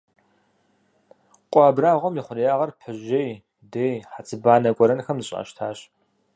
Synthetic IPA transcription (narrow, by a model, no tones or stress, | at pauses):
qʷʼɑːbraːʁʷɔmjiχʷʊrjaːʁɐrpʰɨʑej | deːjħat͡sʰʼɨbaːnɐkʷʼɔɾɐnxɐmzɨɕʼa̰ʃtʰaːɕ